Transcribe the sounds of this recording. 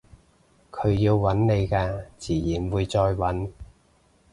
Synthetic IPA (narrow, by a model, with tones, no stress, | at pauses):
kʰɵ˨˧ɥjiː˧wwɐ˨˥nne˨˧jkaː˧t͡siː˨˩jiː˨˩nwuː˨˧jt͡sɔː˧jwɐ˨˥n